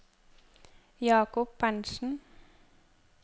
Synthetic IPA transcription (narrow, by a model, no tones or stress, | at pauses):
jɑːkʊp̚bænʃn̩